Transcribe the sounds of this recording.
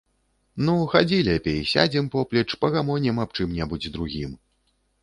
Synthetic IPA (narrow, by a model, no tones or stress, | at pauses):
nuxad͡zʲilʲɛpʲejsʲa̰d͡zʲimpɔplʲɛt͡ʂpɐɣamɔnʲɛmapt͡ʂɨmnʲɛbud͡zʲd̪ɾuɣʲim